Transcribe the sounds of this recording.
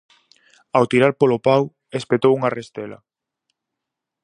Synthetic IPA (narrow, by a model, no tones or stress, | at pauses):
awt̪iɾaɾpolopaw | espet̪owuŋarest̪ela̰